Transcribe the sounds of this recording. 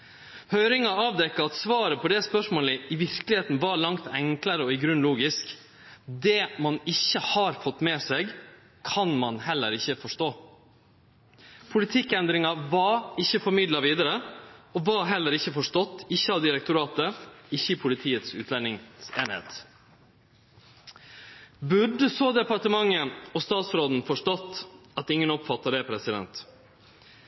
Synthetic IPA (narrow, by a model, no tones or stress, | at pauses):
hœʏɾɪŋɑɑːʋd̪ɛkːəɑt̪sʋɑːɾəpʰɔd̪ɛspœʂmoːləɪʋɪɾkəlɪheːt̪n̩ʋɑɾɭɑŋt̪ɛŋkləɾəɔɪɡɾʉnluːɡɪsk | d̪ɛmɑnɪçːəhɑɾfɔt̪ːmɛːsɛɡ | kʰɑnmɑnɦɛlːə̰ɾɪçːəfɔʂʈoː | pʰʊlɪt̪ʰɪkːɛnd̪ɾɪŋɑʋɑɾɪçːəfɔɾmɪd̪lɑʋiːd̪əɾəɔʋɑɦɛlːəɾɪçːəfɔʂtɔt̪ːɪçːəɑʋd̪ɪɾɛk̚t̪ʊɾɑːt̪əɪçːəpʰʊlɪt̪ʰiːət̪sʉ̰ːt̪lɛnɪŋsḛːnhḛːt̪ | bʉɖəsoːd̪ɛpɑʈəmɑŋːəɔst̪ɑːt̪sɾoːd̪n̩fɔʂʈɔt̪ːɑt̪ɪŋːənɔpfɑt̪ːɑɖɛpʰɾɛsɪd̪ɛ̰nt̪